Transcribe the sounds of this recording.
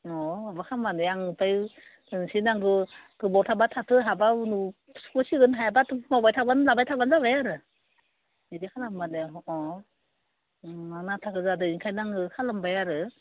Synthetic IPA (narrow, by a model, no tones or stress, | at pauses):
ɔɔbakʰamaneaŋɯpʰaj | ɯnsinaŋɡɯɡ̥ɯbɔtʰabatʰatʰɯɦabaunu | spɔsiɡɯnɦajabatmawbajtʰabanlabajtʰabanzabajaɾɯ | idikʰalambaneɔ | aŋnatʰakɯzadɯinkʰajnaŋɡɯkʰalambajaɾɯ